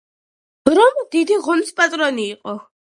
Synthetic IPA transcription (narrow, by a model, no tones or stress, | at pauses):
ɾɔmd̪̥id̪iʁɔnispʼat̪ʼɾɔniːqʼɔ